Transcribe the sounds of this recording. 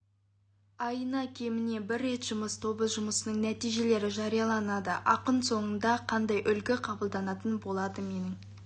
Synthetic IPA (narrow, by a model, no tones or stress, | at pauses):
ɑjənɑkʲʰe̞mɪne̞bɪɾːe̞t̪ʒ̥ʊməst̪ʰo̞bəʒʊməsənəɴnæt̪ijʒe̞le̞ɾɪʒɑɾijɑlˠɑnɑd̪əʔɑqənso̞ɴənd̪ɑqʰɑnd̪ɑjʔʏlkʲɪqʰɑbəlˠd̪ɑnɑt̪ənbo̞lˠɑd̪əme̞nɪŋ